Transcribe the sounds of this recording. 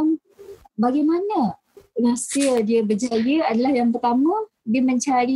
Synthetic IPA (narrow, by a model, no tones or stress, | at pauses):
m | baɡajmanə̃ | rasiədiəbəd͡ʒajəadalahjaŋpərt̪amã | diəmə̃ɲt͡ʃaɾi